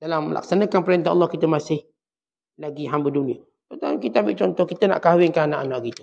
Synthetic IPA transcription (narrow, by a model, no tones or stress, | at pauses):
dalaməla̰ksanəkanpəɾɛnt̪aɑ̰lːɔhkit̪əmasɪh | laɡiɦambədunĩə | tət̪a̰kit̪əambɪʔt͡ʃɔnt̪ɔhkit̪əna̰ʔkawɪŋkaanaʔanaʔkit̪ə̥